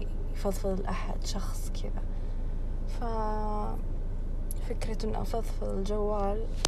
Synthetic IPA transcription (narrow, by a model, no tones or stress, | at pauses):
jfɑðˤfɨðˤɪlʔaħa̰d̪ʃɑxsˤkʰɪd̪a̰ | fa | fɪkɾat̪ɪnːʔɑ̰fɑðˤfɨðˤɪld͡ʒawːaːl